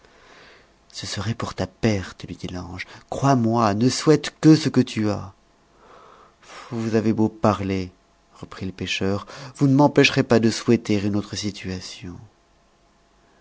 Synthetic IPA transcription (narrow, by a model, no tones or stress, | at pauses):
səsəʁɛpuʁt̪apɛʁt̪lɥid̪ilɑ̃ʒkχwamwanəswɛt̪kəsəkət̪ʰya | vuzavebopaʁle | ʁəpχiləpeʃœʁvunəmɑ̃pɛʃʁepad̪əswɛt̪eʁynot̪χəsit̪ʰɥasjɔ̃